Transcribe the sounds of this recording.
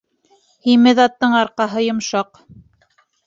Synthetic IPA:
himɘðɑt̪ːɤɴɑɾqɑɦɤjŏmʃɑq

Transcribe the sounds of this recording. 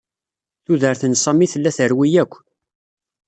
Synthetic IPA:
θuðəɾθənsˤɑmiθəlːæθəɾwijækʷː

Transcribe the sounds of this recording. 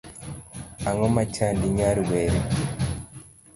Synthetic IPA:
aŋomat͡ʃandiɲaɾuβeɾe

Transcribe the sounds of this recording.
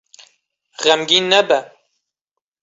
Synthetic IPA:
ɣɛmɡiːnɛbɛ

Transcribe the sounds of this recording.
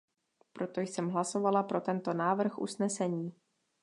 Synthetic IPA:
pɾo̞t̪o̞jsɛmɦlaso̞valapɾo̞t̪ɛnt̪o̞naːvr̩xʔṵsnɛsɛɲiː

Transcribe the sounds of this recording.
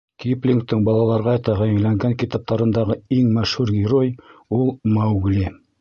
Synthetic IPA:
kiplʲiŋk̚t̪ɘɴbɑlˠɑlˠɑɾʁɑt̪ɑʁæjɘ̆ŋlæŋɡæŋkit̪ɑp̚t̪ɑɾɤ̆nd̪ɑʁɤiŋmæʃhʉɾɡʲɪɾojulˠmawɡli

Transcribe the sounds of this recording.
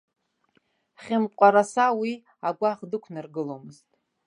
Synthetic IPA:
χʲɪmqʷʼaɾasawi | aɡʷaʁdɨkʷʰnɨrɡɨlomɨztʼ

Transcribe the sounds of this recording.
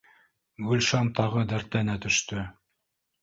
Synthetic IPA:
ɡʉlʃɑnt̪ɑʁɤd̪æɾt̪ænæt̪ɵ̆ʃt̪ɵ

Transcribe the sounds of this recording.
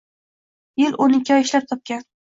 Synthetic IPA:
jɪlonɪkʲʰɒɪʃlap̚t̪ʰɒp̚kʲan

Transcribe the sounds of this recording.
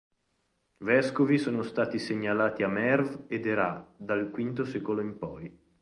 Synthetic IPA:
vɛskovisoːnost̪aːt̪iseɲːalaːt̪iamɛrved̪eɾad̪alkwint̪osɛːkoloimpɔj

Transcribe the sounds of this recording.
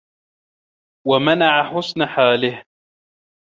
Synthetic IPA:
wamanaʕaħʊsnaħaːlɪh

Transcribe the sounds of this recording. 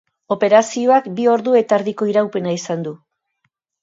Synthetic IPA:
o̞pe̞ɾasio̞akbio̞ɾðue̞t̪aeɾðiko̞iɾawpe̞naisand̪u

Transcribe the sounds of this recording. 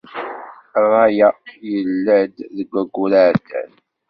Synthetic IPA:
rˤːɑjajəlːæd̪ðəɡʷːæɡʷːulaɾt̪æ̰n

